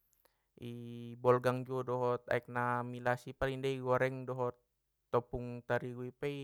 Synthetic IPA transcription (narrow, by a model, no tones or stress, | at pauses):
ʔibɔlɡaŋd͡ʒuɔdɔɦɔt̪a̰ɛk̚namilasipalindaiɡɔɾɛŋdɔɦɔt̪ː | ɔpuŋt̪aɾiɡuipɛi